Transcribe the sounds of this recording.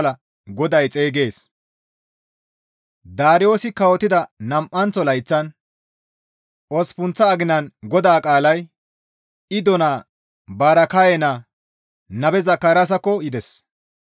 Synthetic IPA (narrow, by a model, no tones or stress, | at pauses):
lɐ | ɡɔd̪ɐjt͡sʼeːɡe̞ːs | d̪aːɾɪjo̞ːsɪkɐwɔt̪ːɪd̪ɐnɐmʔːɐnt͡sːɔlɐjt͡sːɐn | ʔɔspʊnt͡sːɐːɡɪnɐnɡɔd̪aːkʼaːlɐj | ɪd̪ɔnaː | baːɾɐkajɛnaː | nɐbɛzɐkːaɾas̬ɐkːɔjɪd̪ɛs